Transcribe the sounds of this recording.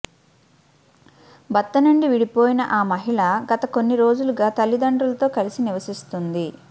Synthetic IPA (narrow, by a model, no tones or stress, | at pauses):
bɐt̪ːɐnɐɳɖiʋiɽipoːjinɐʔaːmɐɦiɭɐɡɐt̪ɐko̞nːiɾo̞ːd͡ʒuluɡaːt̪ɐlːid̪ɐɳɖɾulɐt̪o̞ːkɐlisiniʋɐsist̪und̪i